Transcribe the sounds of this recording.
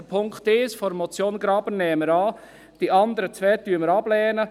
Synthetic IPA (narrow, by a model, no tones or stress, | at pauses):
əpʰʊŋkt̪ɪsfɔɾmɔt͡sjoːnɡɾɑːbənnːɛːməɾɑː | d̥iʔɑnd̪əɾət͡sʋɛːt̪yːəməɾɑb̥lɛːnə